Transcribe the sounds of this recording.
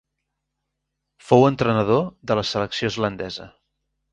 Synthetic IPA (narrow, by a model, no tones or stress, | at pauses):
fowənt̪ɾənəðoðələsələksiozlənd̪ɛzə̰